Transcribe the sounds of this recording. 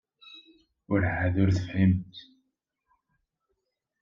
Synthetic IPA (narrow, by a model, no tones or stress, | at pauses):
ʊɾəʕːaðʊɾθə̥fhimt̪